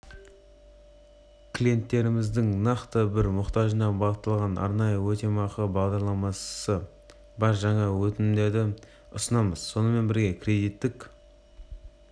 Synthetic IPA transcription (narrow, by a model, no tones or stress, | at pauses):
kʲʰlije̞nt̪ːe̞ɾɪmɪzd̪ɪŋnɑqt̪əbɪɾmʊqt̪ɑʒənɑbɑʁət̪ːɑlˠʁɑnɑ̰ɾnɑjəwɵt̪e̞mɑqəbɑʁd̪ɑɾlˠɑmɑsə | bɑɾʒɑɴɑwɵt̪ɪnɪmd̪e̞ɾd̪ɪ | ʊsənɑməzso̞nəme̞nbɪɾɡʲe̞kʲʰɾʲe̞d̪ijt̪ːɪk